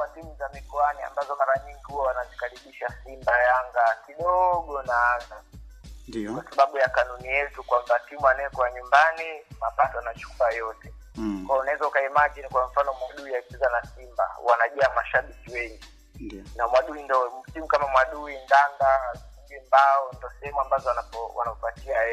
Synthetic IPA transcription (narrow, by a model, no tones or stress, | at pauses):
watimuzamikɔania̰mbazɔmaɾaɲiŋɡihuwawanazikaɾiɓiʃasimbajaŋɡakiɗɔɠɔnaaza | kwasaɓaɓujakanunijɛtukwambatimuanɛɛkɔaɲumbanimapatɔanat͡ʃu̥kuajɔtɛ | kwajɔunaɛzaukaimaʄinikwaɱ̩fanɔmwaɗuijaipizanasimba̰wanaʄaamaʃaɓikiwɛŋɡi | namwaɗuindɔtimukamamwaɗuindaŋɡasimbimbaɔndɔsɛhɛmambazɔwanapɔwa̰naɔpatiaɛ